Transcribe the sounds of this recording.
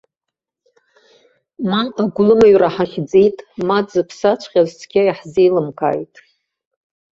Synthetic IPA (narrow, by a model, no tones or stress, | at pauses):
manaɡʷlɨmaɥraħaχʲd͡zejtʼmad͡zɨpʰsat͡ʃʷʰχʲazt͡sʰɡʲajaħzejlɨmkʰa̰ːjtʼ